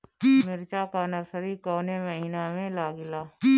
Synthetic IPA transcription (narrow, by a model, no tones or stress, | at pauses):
mɪɾt͡ʃakaːnəɾsəɾikoːneməɦiːnamẽlaːɡɪlaː